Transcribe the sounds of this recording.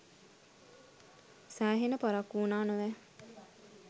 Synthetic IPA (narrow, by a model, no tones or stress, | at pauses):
sæːɦenəpaɾakːuːnaːnəʋæ